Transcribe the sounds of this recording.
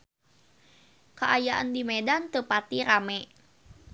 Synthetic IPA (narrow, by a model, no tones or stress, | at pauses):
kəʔajaʔa̰ndimɛdant̪əpat̪iɾamɛ